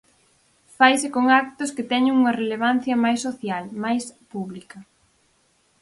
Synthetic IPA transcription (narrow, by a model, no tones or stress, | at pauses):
fajsɪkoŋak̚t̪ʊskɪt̪ɛɲɪŋuŋɐreleβ̞an̟θjɐmajsːoθjalmajspuβlikɐ